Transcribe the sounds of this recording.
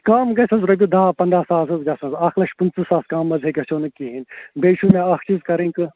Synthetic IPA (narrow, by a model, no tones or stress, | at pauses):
kaːmɡɐsɐzɾɐbʲid̪aːpɐnd̪ɾaːsaːsɐzɡɐsɐ̃nzaːkʰlɐʃpunt͡sɨsaːskaːmːɐzʱeɡɐsʲoːnɨkiɦinbeːʃumẽaxt͡ʃizkɐɾẽːkɨ